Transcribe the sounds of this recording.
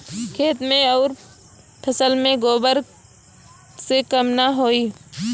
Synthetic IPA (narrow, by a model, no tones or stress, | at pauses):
kʰeːt̪mẽɔːɾ | pʰəsəlmẽɡoːbəɾ | sekəmnaɦoːiː